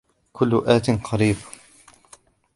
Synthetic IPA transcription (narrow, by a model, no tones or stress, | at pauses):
kʰʊlːʊʔaːt̪ɪnqʰɑɾiːb